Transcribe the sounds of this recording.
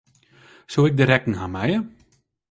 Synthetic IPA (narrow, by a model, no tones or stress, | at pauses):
suɪk̚dəɾɛkŋ̩ɦamɛjə